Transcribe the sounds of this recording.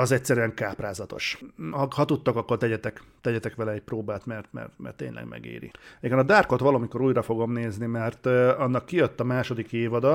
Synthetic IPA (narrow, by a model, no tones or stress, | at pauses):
ɒzɛcsɛɾyɛŋkaːpraːzɒt̪o̞̰ʃhɒhɒt̪ut̪ːo̞kɒkːo̞rt̪ɛɟɛt̪ɛkt̪ɛɟɛt̪ɛkʋɛlɛɛc̚proːbaːt̪mɛrt̪mɛ̰rt̪mɛ̰rt̪ːeːɲlʔɛ̰ɡmʔɛ̰ɡḛːɾḭɛɡɛnɒd̪aːrko̞t̪ʋɒloːmiko̞ɾuːjɾɒfo̞ɡo̞mneːznimɛrt̪ɒnːɒkːijøt̪ːɒmaːʃo̞d̪ikeːvɒd̪ɒ